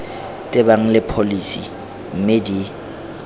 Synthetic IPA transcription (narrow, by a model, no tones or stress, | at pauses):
tʼɪbaŋ̩lɪpʰolisḭ | m̩medi